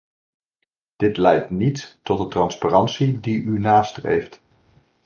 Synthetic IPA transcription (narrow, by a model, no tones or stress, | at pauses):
d̥ɪtlɛjtnitːɔtdətrɑnsparɑnsidiʔynaːstrḛjft